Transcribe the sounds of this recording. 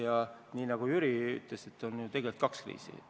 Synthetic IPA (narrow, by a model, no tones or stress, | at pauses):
jɑniːnɑɡ̥ujyɾiy̰t̪ˑle̞se̞t̪ːˑo̞njut̪e̞ɡ̥e̞lt̪̚kɑkskrḭːsḭ